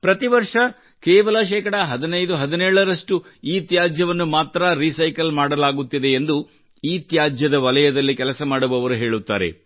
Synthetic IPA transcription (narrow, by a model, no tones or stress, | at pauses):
pɾɐt̪iʋɐɾʂɐ | kɛːʋɐlɐʃ̬ɛːkɐɽɐɦɐd̪inɐjd̪uɦɐd̪inɛːɭɐɾɐʂʈuiːt̪jaːd͡ʒjɐʋɐnːumaːt̪ɾɐɾisɐjkɐlmaːɽɐlaːɡut̪ːid̪e̞ːnd̪u | iːt̪jaːd͡ʒjɐd̪ɐʋɐlɐjɐd̪ɐlːikɛlɐsɐmaːɽubɐʋɐɾuɦe̞ːɭut̪ːa̰ːɾḛ